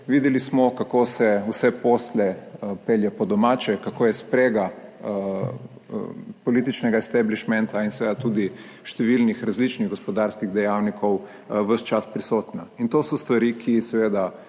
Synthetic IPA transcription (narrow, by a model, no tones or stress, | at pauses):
ʋid̪ɛlismɔkakoːsɛusɛposlɛpeljɛpɔd̪ɔmaːt͡ʃɛkakoːjɛspɾeːɡa | pɔliːt̪it͡ʃnɛɡaɛst̪ɛbliʃmɛnt̪ainsɛʋeːd̪at̪uːd̪i | ʃt̪ɛʋilnixɾazlit͡ʃniɣɡɔspɔd̪aɾskiɣd̪ɛjawnikʰɔw | ʋəst͡ʃaspɾisoːt̪naint̪oːsɔst̪ʋaɾikʰisɛʋeːd̪a